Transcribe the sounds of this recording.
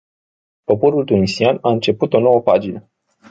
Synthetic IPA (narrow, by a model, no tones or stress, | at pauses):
po̞po̞ɾult̪unisianaɨnt͡ʃe̞put̪o̞no̞wəpad͡ʒinə